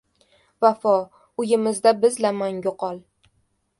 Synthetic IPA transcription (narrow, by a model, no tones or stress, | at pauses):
vafɒ | ʊjɪmɪzd̪abɪzlamaŋjoqɒlˠ